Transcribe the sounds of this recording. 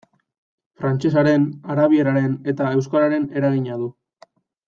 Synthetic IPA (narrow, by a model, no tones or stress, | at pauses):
fɾant͡ʃe̞saɾe̞naɾaβie̞ɾaɾe̞ne̞t̪ae̞wskaɾaɾe̞ne̞ɾaɣiɲaðu